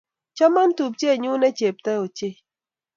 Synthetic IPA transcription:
t͡ʃa˦ma˦n˦tu˨p̚t͡ʃe˦˨ɲu˦nɛ˦t͡ʃe˨p̚tɛ˦o˨t͡ʃe˦

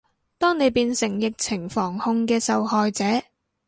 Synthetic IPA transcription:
t̪ɔː˥ŋne˨˧jpiː˧nsɪ˨˩ŋjɪ˨k̚t͡sʰɪ˨˩ŋfɔː˨˩ŋhʊ˧ŋkɛː˧sɐ˨whɔː˨jt͡sɛː˨˥

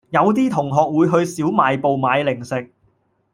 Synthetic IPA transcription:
jɐ˨˧wt̪̬iː˥t̪ʰʊ˨˩ŋɦɔː˨k̚wuː˨˧jɦɵ˧ɥsiː˨˥wmaː˨˧jpo˨wmaː˨˧jlɪ˨˩ŋsɪ˨k̚

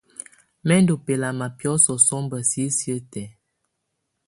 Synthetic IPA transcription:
mɛ˦n˦do˨pe˨la˨ma˨pjɔ˨˦sɔ˨sɔ˦mbə˨si˦sjə˦tɛ˨

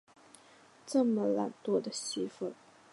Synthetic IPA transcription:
ʈ͡ʂɤ˥˩mə˨la̰˨˩nt̪wɔ˥d̪ə˨ɕi˥fə˥˩

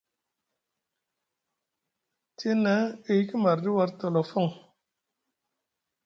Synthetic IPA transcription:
te˦na˨˦e˧jki˦ma˨ɾdi˦wa˧ɾto˧lɔ˨fɔ˦˨ŋ

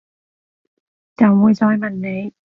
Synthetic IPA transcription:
t͡sɐ˨˧wmuː˨˧jt͡sɔː˧jmɐ˨˩nːe˨˧j

